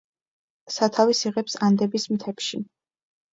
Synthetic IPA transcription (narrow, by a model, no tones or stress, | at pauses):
sat̪ʰavisiʁɛpsand̪ɛbismt̪ʰɛpʃi